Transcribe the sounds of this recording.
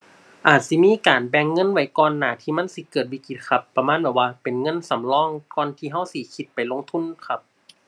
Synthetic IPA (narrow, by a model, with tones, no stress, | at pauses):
ʔaː˨˩t̪̚si˧˦miː˧˥˨kaː˨nbɛː˧ŋːɤ˧˥˨nwa˨˦jkɔː˧nːaː˨˩t̪ʰiː˧ma˧˥˨nsi˧˦kɤː˨˩t̪̚wiː˧˩ki˧t̪̚kʰa˧pːa˧maː˧˥˨nbɛː˧˩waː˧pe˨˩nŋɤ˧˥˨nsa˨˦mlɔː˧˩˨ŋkɔː˧˨nt̪ʰiː˧ɦa˧˥˨wsi˧˦kʰi˧t̪̚pa˨˩jlo˧˨ŋt̪ʰu˧˥˨nkʰa˧p̚